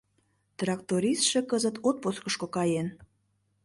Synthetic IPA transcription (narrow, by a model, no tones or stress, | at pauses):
t̪rɑkt̪oɾisʃekəzət̪ot̪̚poskəʃkokɑjen